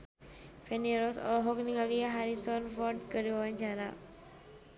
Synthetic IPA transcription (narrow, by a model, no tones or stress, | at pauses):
fɛniɾɔsɔ̰lɔɦɔk̚niŋaliaɦaɾisɔnfɔrd̚kərdiwawaɲt͡ʃaɾa